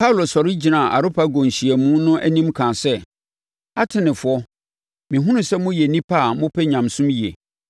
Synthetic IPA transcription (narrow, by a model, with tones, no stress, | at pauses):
pʰa˦wlo˨sɔ˨ɾɪ˦d͡ʑi˨nã˨ʔa̰˨ɾʊ˦pʰa˦ɡõ˨ɲ˨ɕi˨ɛ˨mũ˦nʊ̃˦ʔæ˦nĩ˦mkʰã˨sɛ˦ | a˦tʰɪ˨nɪ̃˨fʊ˨ɔ˦ | mĩ˨ɦʊ̃˦nʊ̃˦sɛ˦mʊ̃˦jɛ˨nĩ˦pʰa˦˨mʊ̃˦pʰɛ˦ɲã˨msʊ̃˦mi˨ḛ˨